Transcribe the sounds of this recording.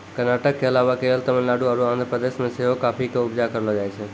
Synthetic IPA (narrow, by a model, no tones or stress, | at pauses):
kəɾnaʈəkːeəlaʋakelt̪əmə̃nlaɽuaɾuãnd̪ʱɾəpɾəd̪esmẽseɦokapʰikeʊbd͡ʒakəɾlɔd͡ʒajt͡ʃʰɛ